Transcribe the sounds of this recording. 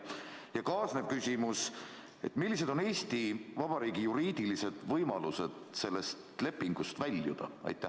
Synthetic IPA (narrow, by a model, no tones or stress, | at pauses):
jɑkɑːsne̞b̥̚kysʲimus | e̞̰t̪ːˑmilːis̬e̞d̪o̞ne̞ːst̪ivɑb̥ɑɾiːɡijuɾiːd̪̥ilise̞d̪̥vɤjmɑluse̞d̪̥se̞lːe̞st̪le̞pːiŋɡ̥ust̪vælʲːjṵd̪̥ɑ̰ɑ̰jt̪ːˑæ